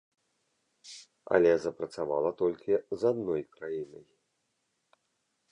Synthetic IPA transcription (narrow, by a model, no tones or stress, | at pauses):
ɐ̰lʲɛzɐpɾɐt̪sava̰lˠɐt̪ɔlʲkʲizad̪nɔjkɾajinɐj